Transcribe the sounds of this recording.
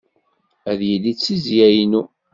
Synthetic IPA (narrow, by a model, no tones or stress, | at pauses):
æðjəlːit͡sːizjæjnu